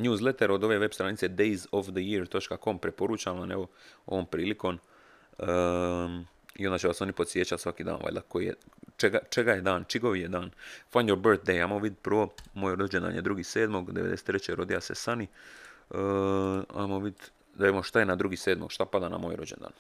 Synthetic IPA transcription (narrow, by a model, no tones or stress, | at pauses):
nʲjuːzlˠet̪eɾo̞d̪o̞ʋe̞ʋe̞bst̪ɾanit̪se̞d̪ejzofd̪əjiɾt̪o̞t͡ʃkako̞mpɾe̞po̞ɾut͡ɕamlane̞ʋo̞o̞̰o̞ːmpɾiːliko̞ːm | ə | iond̪at͡ɕeʋaso̞nipo̞t̪sje̞t͡ɕat̪sʋakiːd̪a̰ːnʋa̰lʲd̪a̰kojiḛt͡ʃeɡat͡ʃeɡajed̪aːnt͡ʃiɡoʋijed̪aːnfanjoɾbəɾt̪̚d̪ejamoʋid̪pr̩ʋo̞moːjɾod͡ʑend̪a̰njed̪ɾuɡise̞ːd̪mo̞ɡd̪eʋed̪ese̥t̪ɾet͡ɕeɾo̞d̪ijase̞̰sani | a̰moʋid̪ | d̪aʋemoʃt̪aje̞nad̪ɾuɡise̞ːd̪moɡ̥ʃt̪apad̪ana̰mo̰ːjɾo̞d͡ʑend̪a̰ːn